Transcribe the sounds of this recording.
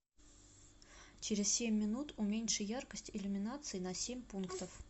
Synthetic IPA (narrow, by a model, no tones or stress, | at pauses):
t͡ɕeɾʲɪz̥sʲemʲːɪnut̪umʲenʲʂɨjarkəsʲtʲɪlʲʊmʲɪnat̪sɨɪnɐsʲemʲpunkt̪əf